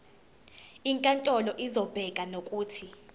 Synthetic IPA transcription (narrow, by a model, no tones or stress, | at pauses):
iŋkʼantʼɔlɔʔizɔb̥ʱɛkʼanokʼuːtʰi